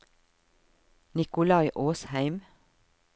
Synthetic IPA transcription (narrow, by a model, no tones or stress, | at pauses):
nɪkʊlɑɪʔoːshæɪm